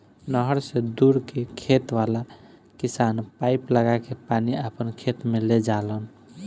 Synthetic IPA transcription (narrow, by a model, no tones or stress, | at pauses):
nəɦəɾsẽd̪uɾkekʰet̪ʋala | kisanpajpləɡakepaniapənkʰet̪meled͡ʒalən